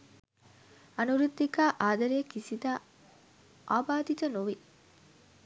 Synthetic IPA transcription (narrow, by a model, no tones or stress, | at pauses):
ɐnuɾud̪ːikaːʔaːd̪ɐɾeːkisid̪aː | ʔaːbaːd̪it̪ɐnuʋi